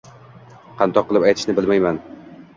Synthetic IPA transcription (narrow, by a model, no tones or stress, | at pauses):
qʰɑnt̪ʰɒqːɨlˠɪpajt̪ʰɪ̥ʃnɪbɪlmajman